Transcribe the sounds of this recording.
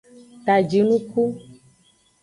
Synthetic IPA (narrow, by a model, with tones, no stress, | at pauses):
t̪a˨d͡ʒi˨nũ˦ku˦